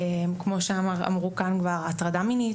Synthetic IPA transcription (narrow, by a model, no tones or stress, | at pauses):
mkmo̞ʃeamaa̰mʁukankvaʁatʁadamini